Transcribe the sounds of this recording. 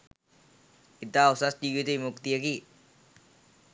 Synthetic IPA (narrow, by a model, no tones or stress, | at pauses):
kit̪ausasdiɡit̪emuk̚t̪iaki